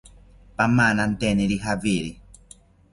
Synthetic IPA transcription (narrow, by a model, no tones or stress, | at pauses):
pamanant̪ɛniɾiɦaviɾi